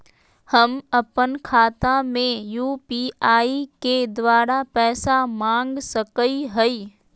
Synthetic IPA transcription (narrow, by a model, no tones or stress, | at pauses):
həmɐpənkʰaːt̪amẽjuːpiːaːiked̪ʋaːɾapɛːsamãːŋɡsəkəiɦəi